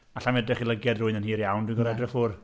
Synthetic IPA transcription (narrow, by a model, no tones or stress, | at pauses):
aɬamɛdɛχilˠəɡɛdrʊɨnənhiːɾjawndwɪnɡɔɾɛdrɛfʊr